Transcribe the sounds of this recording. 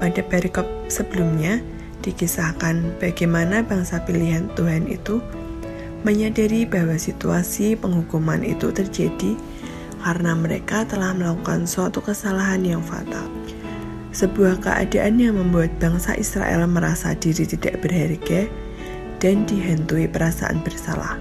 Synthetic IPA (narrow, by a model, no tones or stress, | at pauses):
padapeɾikɔp̚səb̥əlumɲa | d̥ikisahkanb̥aɡajmanabaŋsapiliɦant̪uɦanḭt̪u | məɲadaɾibawasit̪uasipəŋɦukumanḭt̪ut̪ərd͡ʒad̥i | kaɾənaməɾekat̪əlahməlakukanswat̪ukəsalaɦanjaŋfa̰t̪a̰l | səbuahkə̰ʔa̰daʔanjaŋməmbuat̪̚b̥a̤ŋsa̰ʔisɾa̰ʔɛ̰lməɾasa̰d̥iɾit̪idaʔb̥ərɦɛrɡɛ | d̥andiɦant̪uipəɾasa̰ʔa̰nb̥ərsa̰la̰h